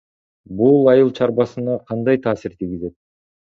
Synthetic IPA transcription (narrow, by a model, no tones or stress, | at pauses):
bulˠɑjɯlˠt͡ʃʰɑɾbɑsɯnɑqʰɑnd̪ɑjt̪ʰɑːsiɾt̪ʰiɡʲize̞t̪̚